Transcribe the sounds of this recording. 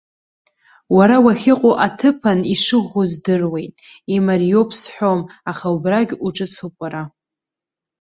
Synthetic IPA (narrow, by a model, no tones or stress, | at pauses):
waɾawaχʲɪqʼoʔatʰɨpʰaniʂɨʁozdɨrwe̞jtʼimarijo̞pʰsħʷo̞maχaubraɡʲuʈ͡ʂʼɨt͡sʰopʷʼaɾa